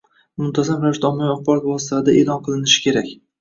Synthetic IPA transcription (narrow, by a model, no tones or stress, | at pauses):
mʊmt̪ʰazamvanʃt̪aɒmːɒɒχbɒɾɒt̪vɒsɪ̥t̪ʰad̪aʔe̞lˠɒnqʰɨlˠɪnɪʃɪ̥kʲʰe̞ɾakʲ